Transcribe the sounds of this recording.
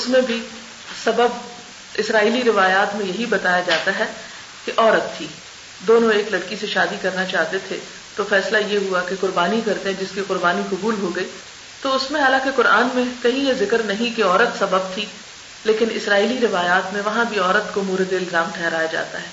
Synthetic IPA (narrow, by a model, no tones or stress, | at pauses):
ʊsmẽbʱi | sɐbəb | ɪsɾaːiːliɾɪʋaːjaːt̪mẽjɐɦibɐt̪aːjad͡ʒaːt̪aɦɛː | keʔɔːɾət̪ʰːiː | d̪oːnõeːklɐɽkiseʃaːd̪ikɐɾnat͡ʃaːɦt̪et̪ʰḛ | t̪ofɛːslajeɦuakeqʊɾbaːnikɐɾt̪eɦɛ̃d͡ʒɪskiqʊɾbaːniqɐbuːlɦoɡɐiː | t̪oʊsmẽɦaːlãkeqʊɾʔaːnmẽkɐɦĩjezɪkəɾnɐɦĩkeɔːɾət̪sɐbəb̚t̪ʰi | leːkɪnɪ̰sɾaːiːliɾɪʋaːjaːt̪mẽʋɐɦãbʱiɔːɾət̪komuːɾd̪eɪlzaːmʈʰɛɦɾaːjad͡ʒa̰ːt̪aɦɛː